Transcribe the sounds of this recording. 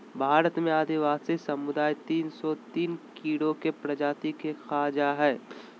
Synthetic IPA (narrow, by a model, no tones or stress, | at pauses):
bʱaːɾət̪mẽaːd̪iʋaːsisɐmʊd̪aːjt̪iːnsɔt̪iːnkiːɽokepɾɐd͡ʒaːt̪ikexaːd͡ʒaɦɛː